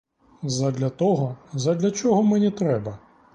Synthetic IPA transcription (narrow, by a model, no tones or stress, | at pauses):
zɐd̪lʲɐt̪ɔɦɔzɐd̪lʲɐt͡ʃɔɦɔmɛnʲit̪ɾɛbɐ